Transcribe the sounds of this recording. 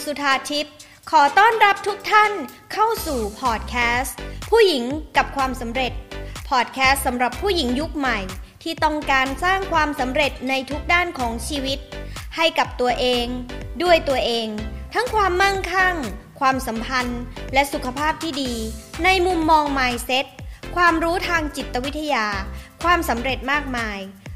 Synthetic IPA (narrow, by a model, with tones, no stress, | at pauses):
su˨˩t̪ʰːaː˧t̪ʰi˦˥t̪̚ | kʰɔː˩˦t̪ɔː˥˩nɾa˦˥p̚t̪ʰu˦˥k̚t̪ʰa˥˩n | kʰa˥˩wsuː˨˩pʰɔː˨˩t̪̚kʰɛː˦˥spʰuː˥˩ji˩˦ŋka˨˩p̚kʰwaː˧msa˩˦mɾe˨˩t̪̚pʰɔː˨˩t̪̚kʰɛː˦˥st̪̚sa˩˦mɾa˨˩pʰːuː˥˩ji˩˦ŋju˦˥k̚ma˨˩jt̪ʰiː˥˩t̪ɔ˥˩ŋkaː˧nsaː˥˩ŋkʰwaː˧msa˩˦mɾe˨˩t̪̚na˧jt̪ʰu˦˥k̚daː˥˩nkʰɔː˩˦ŋt͡ɕʰiː˧wi˦˥t̪̚ha˥˩jka˨˩p̚t̪u˧ɐʔeː˧ŋdu˥˩əjt̪u˧ɐʔeː˧ŋt̪ʰa˦˥ŋkʰwaː˧mːa˥˩ŋkʰa˥˩ŋkʰwaː˧msa˩˦mpʰa˧nlɛ˦˥ʔsu˨˩kʰa˧pʰaː˥˩p̚t̪ʰiː˥˩diː˧na˧jmu˧mːɔː˧ŋmaː˧˩jse˦˥t̪̚kʰwaː˧mɾuː˦˥t̪ʰaː˧ŋt͡ɕi˨˩t̪ːa˧wi˦˥t̪ʰːa˧jaː˧kʰwaː˧msa˩˦mɾe˨˩t̪̚maː˥˩k̚maː˧j